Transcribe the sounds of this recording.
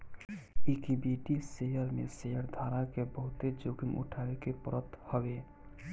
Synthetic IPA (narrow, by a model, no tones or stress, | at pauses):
ikibiʈisejəɾmḛsejəɾd̪ʱaːɾakebəɦʊt̪ed͡ʒuɡimʔṵʈʰaekepəɾət̪həbe